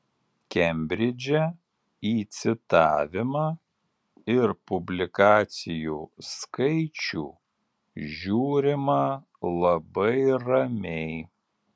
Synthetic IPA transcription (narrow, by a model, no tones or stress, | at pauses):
kʲɛmʲbʲɾʲɪd͡ʒʲɛ | iːt̪sʲɪt̪ɑːʋʲɪmɑː | ɪɾpʊbʲlʲɪkɑːt̪sʲɪjuːskɐɪt͡ʃʲuː | ʒʲuːɾʲɪmɑ | lˠɐbɐɪɾɐmʲɛɪ